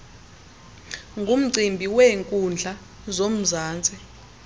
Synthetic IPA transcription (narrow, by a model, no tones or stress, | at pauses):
ŋɡʱum̩ǀimbʱiweŋkʼund͡ɮʱa | zom̩zaːnt͡sʼɛ